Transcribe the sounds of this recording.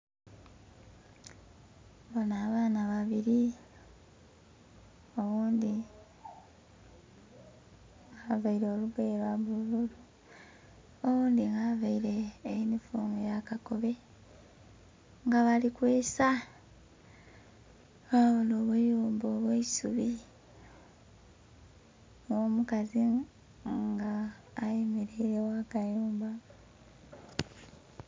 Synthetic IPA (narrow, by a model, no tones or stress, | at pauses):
bo̞naːβaːnaβaβiɾi | o̞βuːnd̪i | ŋɡavaiɾeoluβeɾaβululu | oβuːnd̪iŋɡavaiɾe̞ːinifuːŋɡojakako̞βe̞ | ŋɡaβalikweːsa | aβuloβejoːmboːβweisuβi | womukazi | ŋɡaː | jimiɾiɾewakajuːmba